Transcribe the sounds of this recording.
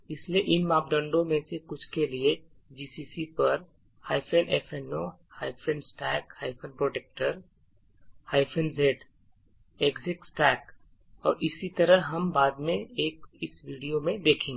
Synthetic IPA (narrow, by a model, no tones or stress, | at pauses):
ɪslieʔɪnmaːp̚ɖ̪ɐ̃ɳɖõmẽsekʊt͡ʃʰkelie | d͡ʒiːsiːsipɐɾ | haːɪpʰenʔɛːfɛno | haːɪpʰẽnsʈɛːkhaːɪpʰənpɾoːʈeːk̚ʈəɾ | haːɪpʰənzeːɖ | eːkzɪksʈɛːk | ɔːɾɪsit̪ɐɾəɦɦɐmbaːd̪mẽeːkɪsʋiːɖijomẽd̪eːkʰẽːŋɡ